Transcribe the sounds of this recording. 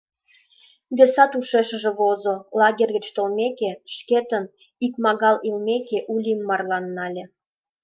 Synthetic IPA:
bʲesɑt̪uʃeʃə̆ʒĕβozolɑɣʲerʲɣə̆t͡ɕt̪olmʲekeʃket̪ən | ikmɑɣɑlilmʲekeʔulʲimːɑrlˠɑnːɑlʲĕ

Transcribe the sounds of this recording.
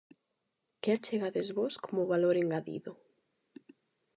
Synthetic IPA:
kɛɾt͡ʃeɣaðezβoskʰomʊβaloɾeŋɡaðḭðʊ

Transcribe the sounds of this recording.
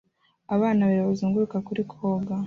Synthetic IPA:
aβaːnaβaɾβoziːŋɡuɾukakuɾikʰoːɡa

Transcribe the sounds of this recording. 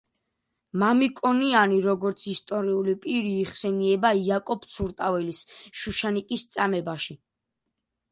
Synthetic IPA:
mamikʼɔnianiɾɔɡɔɾt̪sʰist̪ʼɔɾiulipʼiɾiːχsɛniɛbaiakʼɔpt̪sʰuɾt̪ʼavɛlisʃuʃanikʼist̪sʼamɛbaʃi

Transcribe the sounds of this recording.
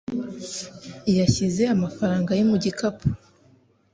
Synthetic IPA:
ijaçize̞amafaɾaːŋɡajimuɟikapu̥

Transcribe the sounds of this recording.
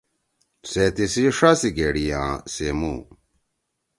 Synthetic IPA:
set̪isiʂasiɡeɽijã̰ːsemṵ

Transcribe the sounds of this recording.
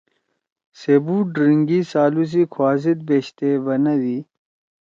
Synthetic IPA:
sebuɖɾiŋɡisaːlus̬ikʰwaːzit̪̚beːɕt̪ebɐnɐd̪i

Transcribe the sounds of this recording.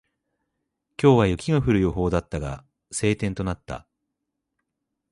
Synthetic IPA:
kʲo̞ːβajɯ̟kʲiɡaɸɯ̟ɾɯ̟jo̞ɦo̞ːd̪at̪ːaɡa̰ | se̞ːt̪ẽnt̪o̞nat̪ːa̰

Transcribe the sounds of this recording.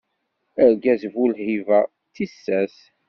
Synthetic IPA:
əɾɡæzvulhivæ | t̪isːæs

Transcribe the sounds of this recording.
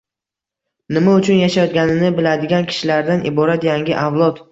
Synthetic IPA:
nɪmaʊt͡ʃʰʊnjaʃajɒt̪̚ɡʲanɪnɪbɪlad̪ɪɡʲankʲʰɪ̥ʃɪlaɾd̪anʔɪbɒɾat̪jaŋɡʲɪʔavlˠɒt̪

